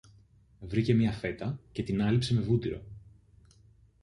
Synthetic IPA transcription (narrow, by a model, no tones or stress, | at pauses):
vɾice̞mɲɐfe̞t̪ɐce̞t̪inɐlipse̞me̞vut̪iɾo̞̰